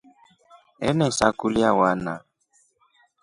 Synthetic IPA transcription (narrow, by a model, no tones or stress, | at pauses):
ɛ̰nɛsakuliawana̰